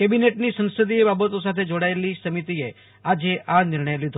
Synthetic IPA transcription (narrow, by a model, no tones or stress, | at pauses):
kebineʈnisə̃nsəd̪iebabət̪os̬at̪ʰed͡ʒoɽaelisəmit̪ie | ad͡ʒeʔanɪɾɳəjlid̪ʱ